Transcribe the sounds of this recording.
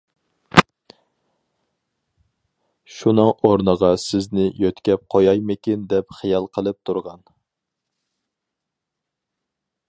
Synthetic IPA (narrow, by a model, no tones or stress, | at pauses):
ʃunɨŋʔoɾnəʁɑsɪznɪjøt̪kʲɛp̚qʰojɑjmɪkʲind̪ɛpχijɑlˠqʰəlˠɨp̚t̪ʰuɾʁɑn